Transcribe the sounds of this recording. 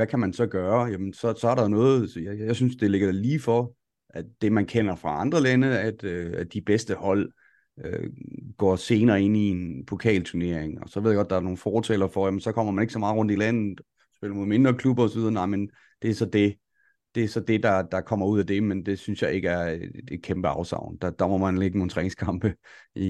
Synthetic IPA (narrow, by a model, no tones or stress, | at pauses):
ʋækʰæmænsɒ̽ɡ̥ɶːɐjæmənsɒ̽sɒ̽æɐɾɑ̈jo̝nɔ̽ːð̩ˠjjjasynsd̥e̝le̝ɡ̥ɐ̥liːfɒ | ʔæd̥e̝mænkʰen̰ɐfʁɑ̈ɑ̈nd̥ʁɐlænəæd̥øæd̥ib̥esd̥əhɒ̽l̰ | ø̰ɡ̥ɒ̰ːse̝ːnɐːe̝n̰ie̝npʰo̝kʰɛ̰ːlt͡sʰune̝ɐ̰eŋɒ̽sɒʋeðˠjaɡɒ̽d̥ɑ̈ɐno̝ːn̩fɒːt͡sʰɛ̰lɐfɒjæmənsɒ̽kʰɒ̽m̰ɐmæne̝ɡ̥sɒ̽mɑ̈ːð̩ˠʁɔ̽n̰d̥ilæn̰ð̩ˠ | sb̥e̝l̰ɐmoðˠme̝nd̥ʁɐkʰlub̥ɐɒ̽sɒʋið̞ˠɐnɑ̈ɪmen | d̥e̝æɐsɒ̽d̥e̝ | d̥e̝æɐsɒ̽d̥e̝d̥ɑ̈d̥ɑ̈kʰɒ̽m̰ɐuð̞̰ˠæd̥e̝mend̥e̝synsjɑ̈ɪe̝ɡ̥əæɐ̥e̥kʰemb̥əɑ̈ʊsɑ̰̈ʊ̰nd̥ɑ̈d̥ɑmɐmænleɡ̥əno̝ːnt͡sʰʁɛ̰ːne̝ŋskʰɑ̈mb̥əi